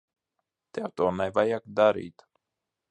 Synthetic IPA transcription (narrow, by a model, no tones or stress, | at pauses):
t̪ɛwt̪ɔːnajvajakd̪aɾḭːt̪